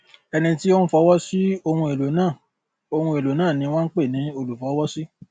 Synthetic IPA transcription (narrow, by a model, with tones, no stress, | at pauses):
ɛ˧nĩ˧ti˦o˦n̩ũ˦fɔ˧˦wɔ˦si˦o˧hũ˧e˨lo˨nãː˦˨ | o˧hũ˧e˨lo˨nãː˦˨nĩ˧˦w̃ã˦ŋ̩˦k͡pe˦˨nĩ˨˦o˧lu˨fɔ˨˦wɔ˦si˦